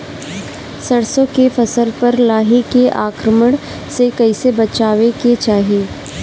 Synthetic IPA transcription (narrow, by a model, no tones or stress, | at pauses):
sɐɽsõkefɐsəlpɐɾlaːɦikeʔaːkɾəməɽ̃ | sekɐisebɐt͡ʃaːʋeket͡ʃaːɦijeː